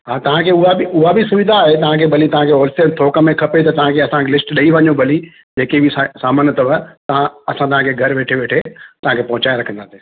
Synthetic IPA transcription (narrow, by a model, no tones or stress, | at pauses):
ɦaːt̪ɐʋ̤ãkʰeʊɦabɪʊɦabʱɪsʊʋɪd̪ʱaːɦet̪ɐʋ̤ãkʰebɐlit̪ɐʋ̤ãkʰeɔːlsət̪ʰoːkəmẽkʰɐpet̪̬ɐt̪ɐʋ̤ãkʰeɐsãkelɪsʈɗɐiʋɐɲobɐli | d͡ʑeːkebɪsasaːmənət̪ɐʋət̪ɐʋãɐsãt̪̬ɐʋ̤ãkʰeɡʱɐɾʋeːʈʰeʋeːʈʰet̪ɐʋ̤ãkʰepɐɦʊ̃t͡ɕaːeɾɐkʰə̃nd̪aːsiː